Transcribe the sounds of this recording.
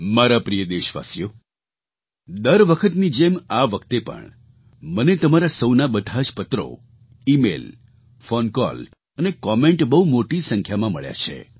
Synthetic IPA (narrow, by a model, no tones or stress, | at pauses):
maɾapɾijəd̪eʃʋa̰sjo | d̪əɾʋəkʰət̪nĩd͡ʒemaʋəkʰt̪epə̰ɳ | mənet̪əmaɾasəwnabəd̪ʱad͡ʒpət̪ɾo̰ | imḛl | fonkɔ̰l | ənekɔmeɳʈbəɦumoʈisəŋkʰjamãməɭja̰t͡ʃʰḛ